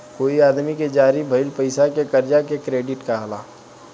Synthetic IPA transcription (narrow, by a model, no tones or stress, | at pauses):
koːiaːd̪miked͡ʒaːɾibʱɐɪlpɐɪsakekɐɾd͡ʒakekɾeːɖɪʈkaɦɐlaː